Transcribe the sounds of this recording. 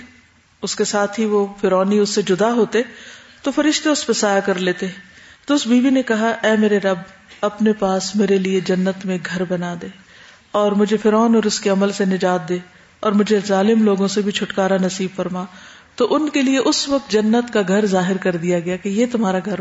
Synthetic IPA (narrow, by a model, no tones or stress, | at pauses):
ʊskesaːt̪ʰɦiʋofɪɾɔːniʊsːed͡ʒʊd̪aɦoːt̪et̪ofɐɾɪʃt̪eʊspesaːjakɐɾleːt̪et̪oʊsbiːʋinekɐɦaʔɛːmeːɾeɾɐb | ɐpnepaːsmeːɾelied͡ʒɐnːət̪mẽɡʱɐɾbɐnad̪eː | ɔːɾmʊd͡ʒʱefɪɾɔːnɔːɾʊskeɐməlsenɪd͡ʒaːt̪̚d̪eː | ɔːɾmʊd͡ʒʱezaːlɪmloːɡõsebʱit͡ʃʰʊʈkaːɾanɐsiːbfɐɾma | t̪oʔʊnkelieʔʊsʋɐk̚t̪̚d͡ʒɐnːət̪kaɡʱɐɾzaːɦɪɾkɐɾd̪ijaɡɐjakejet̪ʊmɦaːɾaɡʱɐɾ